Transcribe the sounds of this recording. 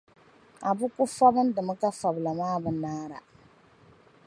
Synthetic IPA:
a˨bʊ˦kʊ˦fa˦bɨ˦n˦dɨ˨mɨ˦ka˦fa˨bla˨maː˦bɨ˦naː˦ɾa̰˨

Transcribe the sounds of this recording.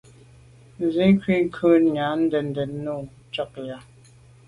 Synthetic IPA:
zi˦kɥi˦˨ŋ˦kʰə˦˨nɲa˨˦n̩˦də˨n̩˦də˨˦nːu˦˨ | t͡ʃɔ˦˨k̚ja˨

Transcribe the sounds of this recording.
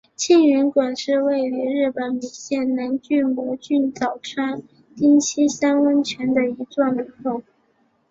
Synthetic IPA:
t͡ɕʰi˥˩ŋy˧˥nkwa˨˩nʂɻ̩˥˧we˥˧ɪli˧˥ɻɻ̩˥˩pə˨˩˥nli˨˩nɕjɛ˥˩nna˧˥nt͡ɕy˥˩nmwɔ˧˥t͡ɕy˥˩nt͡sɑ˨˩ʊʈ͡ʂʰa˥n | t̪i˥ŋt͡ɕʰi˥ɕɑ˥ŋwə˥nt͡ɕʰɥɛ˧˥nd̪ə˧i˧˥ʈ͡ʂwa˥˩ŋli˨˩xo˥˩ʊ

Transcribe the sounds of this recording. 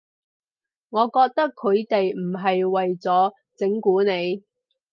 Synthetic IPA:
ŋɔː˨˧kɔː˧k̚t̪ɐ˥kʰːɵ˨˧ɥt̪e˨jm̩˨˩ɦɐ˨jwɐ˨jt͡sɔː˨˥ | t͡sɪ˨˥ŋkuː˨˥ne˨˧j

